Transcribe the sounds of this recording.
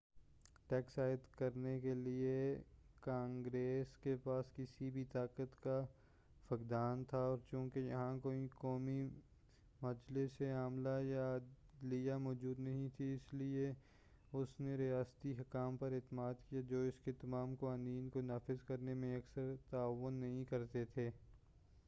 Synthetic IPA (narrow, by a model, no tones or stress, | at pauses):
ʈɛːksaːɪd̪kɐɾnekeliekãːŋɡɾeːskepaːskɪsibʱit̪aːkət̪ka | fɐkd̪aːnt̪ʰaɔːɾt͡ʃũːkejɐ̰ɦãkoːĩkɔːmi | mɐd͡ʒleseaːmlaja | lijamɔːd͡ʒuːd̪nɐɦĩt̪ʰiɪslie | ʊsneɾijaːst̪iɦɐkaːmpɐɾɪt̪maːd̪kijad͡ʒoːɪsket̪ɐmaːmkoãniːnkonaːfɪzkɐɾnemẽɐksəɾt̪aːʋːʊnːɐɦĩkɐɾt̪et̪ʰeː